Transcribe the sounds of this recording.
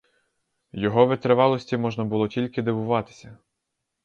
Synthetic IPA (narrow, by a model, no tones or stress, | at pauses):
jɔɦɔʋɪt̪ɾɪʋɑlˠɔsʲtʲimɔʒnɐbʊlˠɔtʲilʲkɪd̪eʋʊʋɑt̪ɪ̥sʲɐ